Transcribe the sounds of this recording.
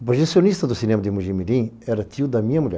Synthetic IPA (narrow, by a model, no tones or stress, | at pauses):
ʊpɾoʒesionist̪ɐd̪ʊsinẽmɐd̪ɪmuʒĩmilĩɛɾɐt̪iʊd̪ɐmĩɲɐmuʎɛ̰